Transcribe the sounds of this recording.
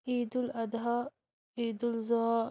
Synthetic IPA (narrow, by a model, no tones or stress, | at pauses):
iːd̪ulɐd̪ɦɐ | iːd̪ulzɔː